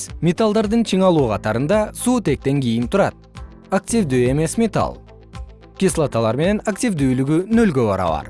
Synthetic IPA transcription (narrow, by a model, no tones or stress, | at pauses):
mʲet̪alˠd̪ɑɾd̪ɨnt͡ʃʰɨɴɑlˠuːqʰɑt̪ɑɾɯnd̪ɑsuːt̪e̞k̚t̪e̞ŋɡʲejɪnt̪ʰuɾɑ̰t̪̚ | ak̚tʲivd̪ye̞me̞smʲet̪a̰lˠ | kʲislˠat̪alˠɑɾme̞ne̞nak̚tʲivd̪yːlyɡynø̞lɡøβɑɾɑ̰βɑ̰ɾ